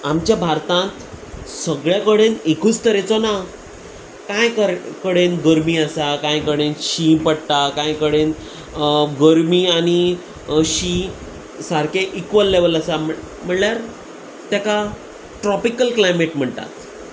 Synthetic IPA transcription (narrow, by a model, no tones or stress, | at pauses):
amt͡ɕjabʱaɾt̪ãt̪səɡɭjakəɽenekʰut͡st̪əɾẽt͡sɔna | kãjkəkəɽenɡəɾmiːəsakãjkəɽenɕipəɽt̪akãjkəɽen | ɡəɾmiːañi | ɕĩ | saɾkeʔikʋəlːeʋələsam | m̤əɽljaɾ | t̪jaka | ʈɾɔpikəlklajmeʈm̤əɳt̪a̰t̪